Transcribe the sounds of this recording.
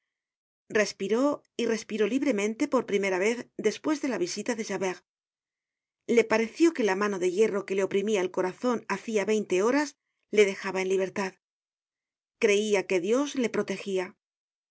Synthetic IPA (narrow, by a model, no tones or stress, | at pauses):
re̞spiɾo̞ | ire̞spiɾo̞liβ̞ɾe̞mẽ̞nt̪e̞po̞ɾpɾime̞ɾaβe̞θd̪e̞spwe̞zðe̞laβisit̪aðe̞ʃaβeɣ | le̞paɾe̞θjo̞ke̞lamano̞ðe̞ʝe̞ro̞ke̞le̞o̞pɾimiae̞lko̞ɾaθo̞naθiaβe̞jnt̪e̞o̞ɾas | le̞ðe̞xaβae̞nliβ̞e̞ɾt̪að | kɾe̞iake̞ðjo̞zle̞pɾo̞t̪e̞xia